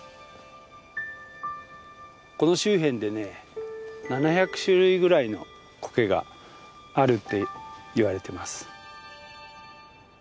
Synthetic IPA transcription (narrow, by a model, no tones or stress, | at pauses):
ko̞no̞ɕɨːɦẽ̞nd̪e̞ne̞ | nanaçakɯ̟̥ɕɨɾɯ̟iɡɯ̟ɾaino̞̰ | ko̞̥ke̞ɡa̰ː | ɾɯ̟t̪ːe̞iβaɾe̞t̪e̞masɨ̥